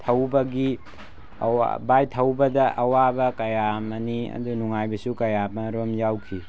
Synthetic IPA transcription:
tʰɐwbɐɡi | ɐ̰wa̰bajtʰɐwbɐdɐʔɐwabɐkɐjamɐniɐ̰dunuŋajbɐsukɐjamɐɾomjawkʰi

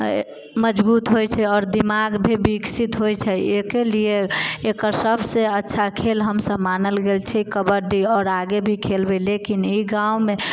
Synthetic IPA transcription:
məd͡ʒbut̪ɦojt͡ʃʰɛɔːɾd̪imaɡbʱibiksit̪ɦojt͡ʃʰɛekelieːkəɾsəbʱseətːʃʰakʰelɦəmsəbmanəlɡelt͡ʃʰɛkəbəɾɖiɔːɾaɡebʱikʰelbelekiniɡaume

